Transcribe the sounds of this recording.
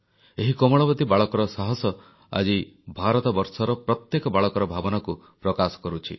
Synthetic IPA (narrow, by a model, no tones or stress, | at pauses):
eɦikɔmɔɭɔbɔd̪ibaɭɔkɔɾɔsaɦɔsɔ | a̰d͡ʒibʱaɾɔt̪ɔbɔɾsɔɾɔpɾɔt̪jekɔbaɭɔkɔɾɔbʱabɔnaku | pɾɔkasɔ̥kɔɾut͡ʃʰḭ